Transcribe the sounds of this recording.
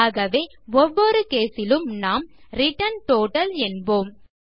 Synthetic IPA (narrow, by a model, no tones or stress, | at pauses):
aːɣɐʋeː | ɔʋːɔɾɯkeːsɪlɯmnaːmɾɪʈɐnʈoːʈɐlɛnboːm